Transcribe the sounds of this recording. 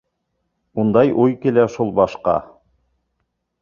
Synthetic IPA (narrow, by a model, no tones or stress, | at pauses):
und̪ɑjʔujkilæʃulˠbɑʃqɑ̰